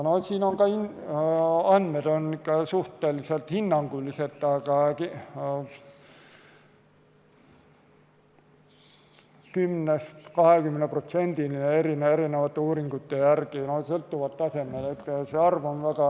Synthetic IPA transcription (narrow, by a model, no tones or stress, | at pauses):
nosiːno̞ŋkɑin | ɑnd̪med̪̥o̞nikːɑsuht̪ˑeliselt̪hinːɑŋɡulːise̞t̪ːˑɑɡ̥ɑki | kymnest̪kɑhekymːeneprot̪se̞nʲd̪̥ilinee̞ɾinee̞ɾinevɑt̪ːeuːɾiŋɡut̪ːejærkinosɤlt̪ːuvɑt̪ːɑse̞mːelet̪ːˑseɑrvonvækɑ